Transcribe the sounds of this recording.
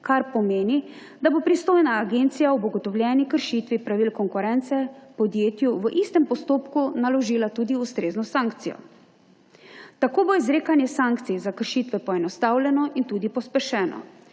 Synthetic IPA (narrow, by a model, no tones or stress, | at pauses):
kaɾpɔmeːni | d̪abopɾist̪oːjnaːɡent̪sijawbɔɡɔt̪ɔwlʲjɛːnikəɾʃiːt̪ʋipɾaʋiːlkɔŋkuɾɛnt̪sɛpɔd̪jeːt̪juʋəʔist̪ɛmpɔst̪oːpkunalɔʒiːlat̪uːd̪iust̪ɾeːznɔsaŋkt̪sijɔ̰ | t̪akoːboizɾeːkanjɛsaŋkt̪sizakəɾʃiːt̪ʋɛpɔɛnɔst̪aːwlɛnɔʔint̪uːd̪ipɔspɛʃɛːnɔ̰